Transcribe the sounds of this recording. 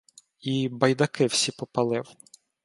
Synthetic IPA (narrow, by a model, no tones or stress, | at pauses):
ibɐjd̪ɐkɪw̥sʲipɔpɐlˠɪw